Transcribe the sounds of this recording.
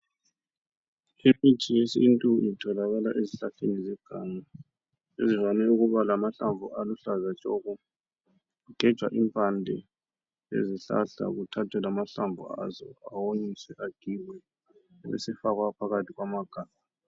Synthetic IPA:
imit͡ʃʰijesintʼuitʰɔlaɣala̰ʔeziɬaɬenizɛɡ̥ʱaːɲa | ḛzivanɛuɣuβalamaɬamvʱuʔaluɬazat͡ʃʼɔɣu | ɣuɡ̥ʱɛd̥ʒ̥ʱwa̰ʔimpʰʼandʱɛ | ḛziɬa̰ɬa̰ɣutʰatʰɛlamaɬambʱṵa̰zɔawoɲisɛʔaɡ̥ʱiwɛ | βɛ̰sɛfaɣwapʰaɣatʰiɣwamaɡ̥ʱaːma

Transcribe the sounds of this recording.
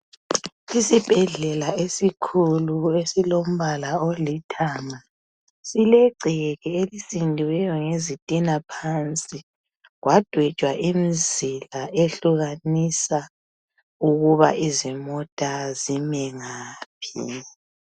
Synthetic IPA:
isib̥ʱɛɮɛlaesikʰuluesilom̩βalaolitʰama | silɛǀʱɛɣɛelisindʱiwɛjɔŋezitʼinapʰant͡sʼi | ɣwad̥ʱwɛ̥ʒ̥ʱwaʔimizilaʔeɬuɣanisa | uɣuβa̰ʔizimɔtʼazimɛŋaːpʰḭ

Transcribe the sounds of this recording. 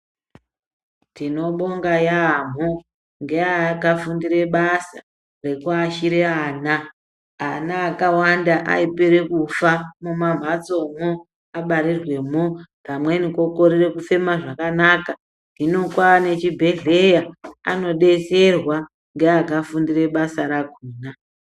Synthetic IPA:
tino̞ɓo̞ŋɡajam̤o | ŋɡe̞akafundire̞ɓasa | re̞kuaʃiɾeaːna | anaːkawandaʔa̰ipiɾekufamumam̤ʱat͡so̞mo | aɓaɾirwe̞mopamwe̞niko̞ko̞rire̞kufe̞maʐakanaka | nino̞kwane̞t͡ʃibʱe̞ɮe̞jaa̰no̞ɗe̞se̞rwa | ŋɡeakafundire̞ɓasaɾakuːna

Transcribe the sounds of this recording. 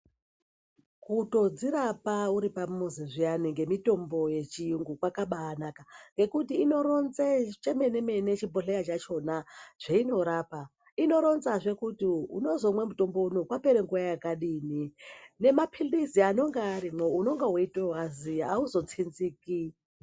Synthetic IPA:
kuto̞d͡ziɾapauɾipamuziʐianiŋɡe̞mito̞mbo̞je̞t͡ʃijuŋɡukwakaɓaːnakaŋɡe̞kutiːno̞ɾonzet͡ʃeme̞ne̞me̞ne̞t͡ʃibʱoɬejat͡ʃat͡ʃo̞naʐ̥eino̞ɾaːpa | ino̞ɾo̞nzaʐe̞kutiṵno̞zo̞mwe̞muto̞mbo̞unokwape̞ɾeŋɡujajakaɗiːnine̞mapʰildiziano̞ŋɡaarimeuno̞ŋɡeɦwoitoɦwaziauzo̞t͡sʰinziːki

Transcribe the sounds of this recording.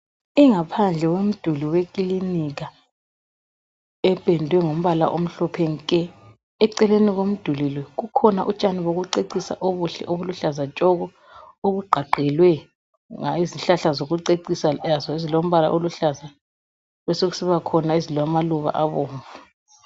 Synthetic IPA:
iŋapʰand͡ɮʱɛwom̩d̥ʱuliwekʼiliniɣ̬a | ɛb̥ʱʼɛndʱwɛŋom̩βala̰ʔom̩ɬɔpʰɛŋikʼɛ | ɛǀɛleniɣom̩d̥ʱulilwɛɣukʰɔnaʔut͡ʃʼaniβoɣuǀeǀisa̰ʔoβuɬɛ̰ʔoβuluɬazat͡ʃʼɔɣɔ | oɣuɡ͡ǃʱaɡ͡ǃʱɛlwɛ | ŋa̰iziɬaɬazoɣuǀeǀisaazɔizilom̩βala̰ʔoluɬaza | βɛsoɣu̥siβakʰɔnaizilwamaluβa̰ʔaβoːɱvu

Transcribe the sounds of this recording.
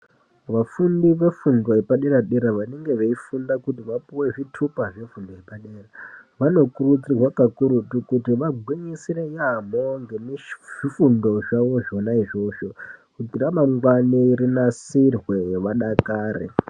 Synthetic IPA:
ʋafundiʋe̞fundo̞epaɗeɾaɗeɾaʋane̞ŋɡe̞ʋeifundakutiʋapuwe̞ʐitʰupaʐifundoepaɗeːraʋano̞kurut͡sirwakakuɾutukutiʋaɡʱwiɲisirejamo̞ŋɡe̞miʐ̥ifundo̞ʐaʋo̞ʐo̞naiʐo̞ːʃo̞kutiramaŋɡwaniiɾinasirwe̞ʋaɗakaːɾḛ

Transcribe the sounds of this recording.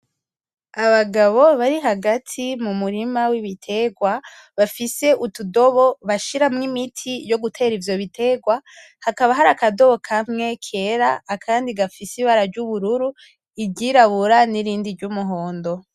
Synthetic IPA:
aβaɡaβo̞βaɾiɦaɡatʰimumuɾimawiβitʰe̞ɡwa | βafise̞ʔutudo̞βo̞βaʃiɾamŋimitʰijo̞ɡutʰe̞ːɾivjo̞βite̞ɡwa | hakaβaɦaɾakado̞βo̞kʰamŋe̞kʰe̞ːɾaːkʰaːndiɡafisiβaɾaɾɟuβuɾuɾu | iɟiɾaβuɾaniɾiːndiɾɟumuɦo̞ːndo̞

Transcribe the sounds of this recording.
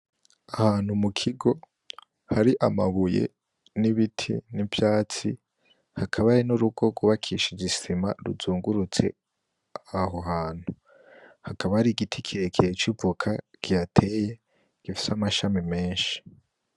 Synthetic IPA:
ahaːn̥humukʰiɡo̞ | haɾiʔamaβujḛ | niβitʰḭnivjaːt͡si | hakʰaβaɾinuɾuɡo̞ɡuβakʰiʃid͡ʒisima̰ɾuzuːŋɡuɾut͡se̞̰ | aɦo̞ɦaːn̥hu | hakaβahaɾiɡitʰikʰiɾekʰeet͡ʃivukʰakijatʰe̞je̞ | ɡ̥ifi̥samaʃamime̞ːnʃi̥

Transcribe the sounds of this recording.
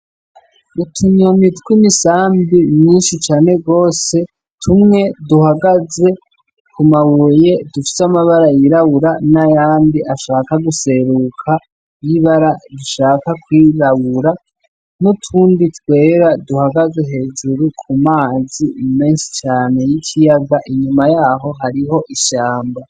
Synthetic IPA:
utʰuɲomitwimisaːmbimɲiːnʃit͡ʃaːne̞ɡo̞ːse̞ | tʰumŋe̞duhaɡaze̞ | kumaβuje̞dufi̥samaβaɾajiɾaβuɾanajaːmbiʔaʃaːkaɡuse̞ɾukʰa | jiβaɾaduʃaːkakwiɾaβuɾa | nutʰuːnditwe̞ːɾaduhaɡaze̞ɦe̞ːd͡ʒuɾukʰumaːzime̞ːnʃi̥t͡ʃaːne̞jicʰijaɡaʔiɲumajaːɦo̞ɦaɾiɦo̞ʔiʃaːmba

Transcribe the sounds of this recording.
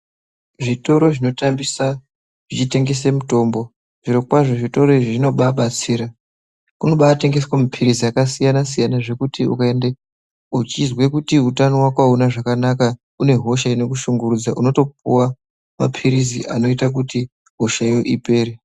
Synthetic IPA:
ʐito̞ɾo̞ʐino̞tambisa | ʐit͡ʃite̞ŋɡe̞semuto̞ːmbo̞ | ʐ̥irokwaʐoʐito̞ɾo̞iʐino̞ɓaɓat͡siːɾa | kuno̞ɓaːte̞ŋɡe̞swamapʰiɾiziakasijanasijanaʐe̞kutiṵkae̞nde | ut͡ʃizwe̞kutiutanowakwaunaʐakanaka | une̞ɦo̞ʃaino̞kuʃuŋɡurud͡zaʔuno̞to̞p̚uwa | ma̰pʰiɾizḭʔa̰no̞itak̬uti | ɦo̞ʃaijo̞ʔipe̞ːɾe

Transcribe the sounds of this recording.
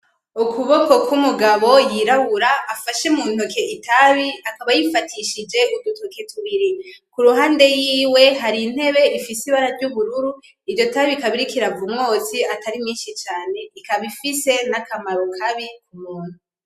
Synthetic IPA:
ukuβo̞ko̞kwumuɡaβo̞jiɾaβuɾaːfaʃemuːn̥okʰe̞itʰaβiakaβajifatʰiʃid͡ʒe̞ʔudutʰokʰe̞tʰuβiɾikuɾuɦaːnde̞jiːwe̞ɦaɾin̥he̞βe̞ifisiβaɾaɾɟuβuɾuɾu | ivɟo̞taβikaβiɾikiɾavumŋo̞t͡siataɾimŋiːnʃit͡ʃaːne̞ikaβifise̞nakʰamaɾokʰaβikumuːn̥hu

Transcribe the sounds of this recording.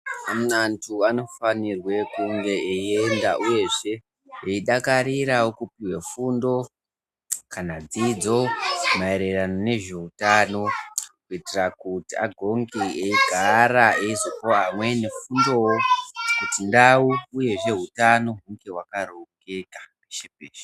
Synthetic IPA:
amantʰuano̞fanirwe̞kuŋɡe̞eiendaʔuje̞ʐe̞ | eiɗakaɾiɾawokupiwe̞fundo̞ | kanad͡zid͡zo̞mae̞ɾe̞ranone̞ʐe̞utano̞kuitirakutia̰ɡʱo̞ŋɡieiɡʱaɾaeizopoɦamwe̞ne̞fundo̞wokutindawuːje̞ʐe̞ɦutano̞ɦuŋɡe̞ɦwakaɾoke̞kḁkeʃepeːʃe̥

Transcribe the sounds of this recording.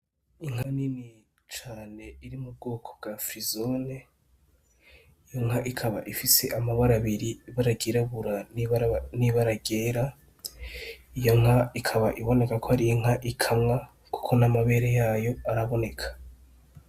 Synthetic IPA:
iŋ̥hanini | t͡ʃaːne̞iɾimub̚ɡoːkʰo̞b̚ɡafɾizone | ijo̞ŋ̥ɦaʔikʰaβaʔifise̞ʔamaβaɾaβiɾiiβaɾaɡeɾaβuɾa | niβaɾaɡe̞ːɾa | ijo̞ŋ̥ɦaikʰaβaʔiβo̞ne̞kakʰohaɾiiŋ̥haʔikʰamŋa | ku̥kʰo̞namaβe̞ːɾejaːjo̞aɾaβo̞ne̞kʰḁ

